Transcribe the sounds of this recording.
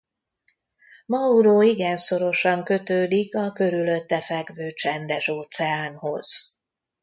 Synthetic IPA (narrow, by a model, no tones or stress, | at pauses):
mɒuɾoːiɡɛnso̞ɾo̞ʃɒŋkø̞t̪øːd̪ikɒkø̞ɾylø̞t̪ːɛfɛɡʋøːt͡ʃɛnd̪ɛʃoːt̪sɛaːnho̞z̥